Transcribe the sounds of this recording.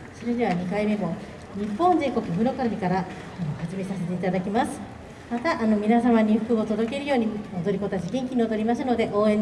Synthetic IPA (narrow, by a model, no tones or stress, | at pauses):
so̞ɾe̞d̪e̞βaɲ̟ikaime̞mo̞ | ɲ̟ipːõ̞nde̞ːko̞kɯ̟mɯ̟ɾo̞kaɾamʲikaɾa | anohad͡ʑimesase̞t̪e̞it̪ad̪akʲimasɨ̥ | mat̪aʔano̞mʲinasamaɲ̟iɸɯ̟̥kɯ̟ot̪o̞d̪o̞ke̞ɾɯ̟jo̞ːɲ̟iod̪o̞ɾʲiko̞t̪at͡ɕiɡẽ̞ŋkʲiɲ̟iot̪oɾʲimas̬ɨno̞d̪e̞ʔo̞ːẽ